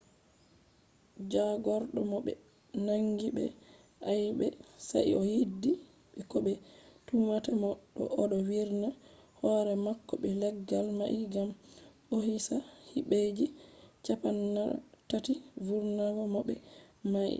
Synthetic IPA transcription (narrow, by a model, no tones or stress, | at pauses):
d͡ʒaɡɔɾɗɔmɔɓɛ̰ | naŋɡiɓɛ̰ | ʔajɓɛsa̰jɔjidːi | ɓɛkɔɓɛtumatamɔɗːɔ̰ʔɔɗɔwiɾnahɔɾɛmakːɔɓɛlɛɡːalmaʔɡamɓohisahiɓed͡ʒit͡ʃapanːa̰tativuɾnaɡɔmɔɓɛmaʔḭ